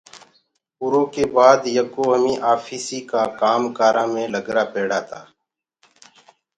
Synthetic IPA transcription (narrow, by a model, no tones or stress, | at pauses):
ʊɾõːkeːbaːd̪jəkoːɦəmĩːʔaːfʰiːsiːkaːkaːmkaːɾãːmẽːləɡɾaːpeːɽaːt̪ʰaː